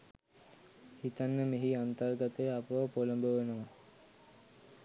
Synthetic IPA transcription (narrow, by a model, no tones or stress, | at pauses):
hit̪anːəmeɦiant̪ərɡat̪ejapəʋɐpoləmbəʋenəʋa